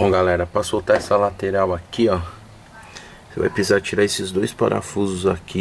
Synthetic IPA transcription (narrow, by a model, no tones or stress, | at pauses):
õɡalɛɾɐpɾasowt̪aɛsɐlat̪eɾawakia | seva̰jpɾizaɾt͡ʃiɾaesɪzd̪ojspa̰ɾa̰fuzʊzaki